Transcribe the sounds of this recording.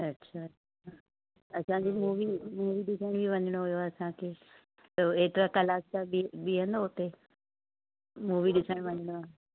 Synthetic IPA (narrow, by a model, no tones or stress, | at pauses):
ɐtːɕʰaɐtːʃʰa | ɐsãd͡ʑiːmuːʋimuːʋiɗɪsəɽ̃bʱiʋɐ̃ɲɪɽ̃oɦʊjoaɐsãkʰeː | t̪oeːt̪ɪɾakɐlaːst̪abiɓiɦə̃nd̪oɦʊt̪e | muːʋiɗɪsəɽ̃ʋɐ̃ɲɪɽ̃oaːɦ